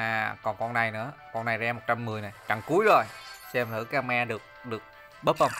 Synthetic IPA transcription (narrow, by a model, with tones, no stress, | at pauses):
ʔaː˨˩kɔ˨˩nkɔ˧na˨˩jnɨ̰˧˥əkɔ˧na˨˩jzɛː˧mo˨˩t̚t͡ɕa˧mːɨ˨˩əjna˨˩jt͡ɕa˨˩ŋku˨˦əjzo˨˩jsɛ˧mt̪ʰɨ̰˧˥kaː˧ŋmaː˧ɗɨ˨˩ək̚ɗɨ˨˩ək̚ | ɓəː˦˥t̚fə˧˩ŋ͡m